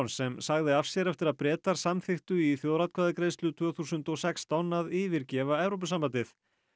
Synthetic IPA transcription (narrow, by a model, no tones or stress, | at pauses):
nsɛmsaɣðɪafsjɛɾɛft̪ɪɾaðpɾɛːt̪aɾ̥samθɪxt̪ʏiθjoːwɾat̪̚kʰvaðɪkɾeːjst̪lʏt̪ʰv̥œːθusʏnt̪ɔsɛkst̪awnaðɪːvɪɾcɛːvaɛvɾowp̬ʏsampant̪ɪθ